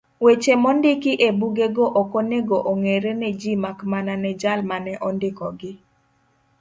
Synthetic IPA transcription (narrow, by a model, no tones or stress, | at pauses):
wet͡ʃemɔndɪkɪʔebuɡeɡoʔɔkɔneɡoʔoŋeɾenɛd͡ʒimakmananɛd͡ʒalmanɛʔɔndɪkɔɡɪ